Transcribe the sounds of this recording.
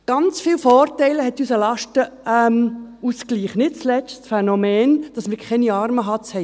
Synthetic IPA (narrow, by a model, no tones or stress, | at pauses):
ɡ̥ɑnt͡sfiːwfɔːrtɛɪləhɛtysəlɑʃtəɛmusɡliːχnɪt̚t͡slɛt͡stsfɛnomɛːnd̥ɑsmɪːɾkʰɛniɑːɾməɦɑt͡shɛɪ